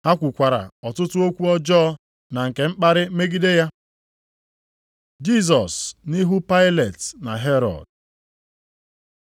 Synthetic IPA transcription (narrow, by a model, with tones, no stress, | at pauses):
ha˦kʷu˨kʷa˨ɾa̰˨ɔ˨tʊ˦tʊ˦o˦kʷu˦ɔ˦d͡ʒɔː˦ | na˨ŋ̩˨ke˨ŋ͡m̩˦k͡pa˦ɾɪ˦me˦ɡi˦de˦ja˦ | d͡ʒi˦s̬ɔ˨sni˦ɦu˦pa˦ɪ˦le˨tna˨ɦe˦ɾɔ̰˨d